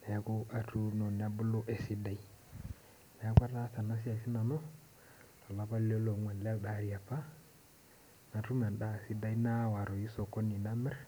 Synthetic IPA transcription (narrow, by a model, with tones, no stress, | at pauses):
na˨ja˦ku˦ʔa˨tu˦no˨n˨a˦bu˦lu˦ʔe˨si˦da˦i˦ | na˨a˦ka˦ta˦ta˨na˦s̬i˦a˨si˦na˨no˦ | lo˨la˨ba˦le˦lo˨˦ŋwe˨nlda˦ɾi˨ja˨pːa˦ | na˨tu˦me˨nɗa˦˨si˦da˦i˦na˦wa˨ɾo˨ji˦so˨ko˦ni˨na˦mɛ˦ɾ